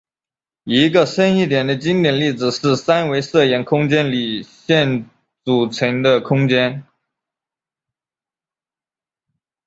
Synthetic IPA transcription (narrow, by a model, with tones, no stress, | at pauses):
i˧˥ɡə˧ʂə˥ni˥˩t̪jɛ˨˩nd̪ə˦t͡ɕi˥ŋt̪jɛ˨˩nli˥˩d͡zɹ̩˨˩ʂɻ̩˥˩sa˥nwe˧˥ɪʂɤ˥˩jɛ˧˥nkʰʊ˥ŋt͡ɕjɛ˥nli˨˩ɕjɛ˥˩n | t͡su˨˩t͡sʰɤ˧˥ŋd̪ə˧kʰʊ˥ŋt͡ɕjɛ˥n